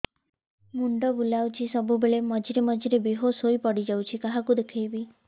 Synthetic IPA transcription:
muɳɖɔbulawt͡ʃʰisɔbubeɭemɔd͡ʒiɾemɔd͡ʒiɾebiɦosojpɔɽid͡ʒawt͡ʃʰikaɦakud̪ekʰajbi

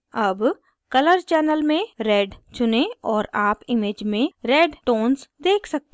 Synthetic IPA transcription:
ɐb | kɐləɾt͡ʃɛːnəlmẽɾɛːɖt͡ʃʊneɔːɾaːpɪmeːd͡ʒmẽɾeːɖʈoːnsd̪eːkʰsɐk̚t̪e

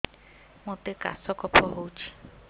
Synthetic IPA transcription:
mʊtɪkʼa̰sɔkʰʼɔpʰɔɦoːt͡ʃʰi̥

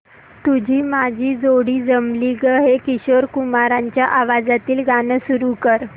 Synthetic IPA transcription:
t̪ud͡ʑʱiːmad͡ʑʱiːd͡zoɽiːd͡zəmliɡəɦekiɕoɾkumaɾãɲt͡ɕjaʔaʋad͡zat̪iːlɡanəsuɾukəɾ

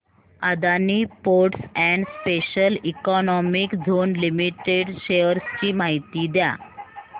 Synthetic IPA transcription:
ad̪aniːpoɾʈsɛ̃ɳɖspeɕəlikɔnɔmikd͡zʱonlimiʈeɖɕeəɾst͡ɕiːmaɦit̪iːd̪ja̰

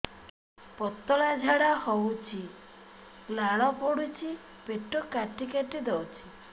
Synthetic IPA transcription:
pɔt̪ɔlad͡ʒʱaɽahɔwt͡ʃʰi | laɭɔpɔɽut͡ʃʰi | peʈɔkaʈikeʈid̪ɔwt͡ʃʰi

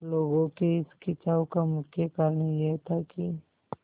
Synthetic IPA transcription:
loːɡõkeɪskɪt͡ʃaːõkamʊkʰjakaɾnɐijeɦt̪ʰaki

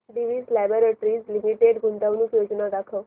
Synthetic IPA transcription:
ɖiʋiːslɛboɾeʈɾiːd͡zlimiʈeɖɡʱunt̪əʋnuːkjod͡znad̪akʰəʋ

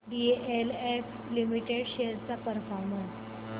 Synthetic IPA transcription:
ɖieʔelef | limiʈeɽɕeɾt͡sapəɾfɔɾməns

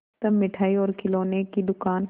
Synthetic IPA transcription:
t̪əmːɪʈʰaːiɔːɾkɪloːnekid̪ʊkaːn

